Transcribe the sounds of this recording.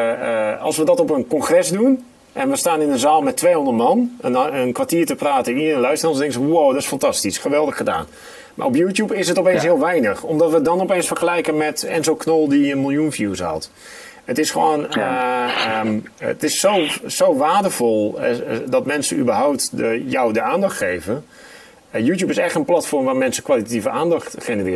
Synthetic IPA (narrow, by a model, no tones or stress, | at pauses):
ɑ̰lˠsʋədɔtɔpənkɔnχrɛsdun | ʔɛnʋəstaːnɪnəzaːlˠmɛtʰːʋejɦɔ̃ndət̚mɑnɛnənkʋartiːrtəpraːtəɪniənəlœɥstəransdɛ̃ŋkəzəwowdɔtɪsfɑntɑstisχəʋɛlˠdəχəda̰ːn | mʔa̰rɔpjutjupɪsɦətɔpensɦɪəlˠʋɛjnəxɔmdɔtʋədɔnɔpejnsfəχəlɛjkəmɛtɛnzowknɔlˠdiənmɪlˠjunfjusɦɔ̰lt | ətɪsxəʋo̰ːnə | tɪsːowsowʋaːrdəfɔlˠdɔtmɛnsəny̰bərɦawp̚təjɔwdəaːndɑxtχeːvən | juːt̬jupɪsɛχtənplatfɔrmʋaːrmɛnsə̥kwʋalitativəʔaːndɑxtχenərɪːə